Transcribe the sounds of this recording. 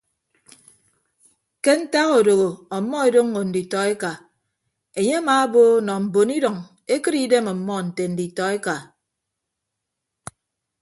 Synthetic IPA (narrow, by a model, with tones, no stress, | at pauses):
ke˦n̩˦ta˦ɣo˨do˨ɣo˨ɔ˨˦mːɔ˦e˨do˦ŋː˦o˨n̩˨di˨tɔ˨e˦ka˨ | e˨ɲe˦a˦maː˨a˦bo˦nɔ˨m̩˨bo˨ni˦dɔ˨ŋ | e˦kɨ˦ɾi˦de˦mɔ˨mːɔ˦n̩˨te˨n̩˨di˨tɔ˨e˦ka˨